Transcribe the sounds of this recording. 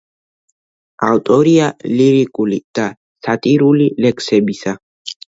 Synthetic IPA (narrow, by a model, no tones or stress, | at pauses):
avt̪ʼɔɾialiɾikʼulid̪̥a | sat̪ʼiɾulilɛkʰsɛbisa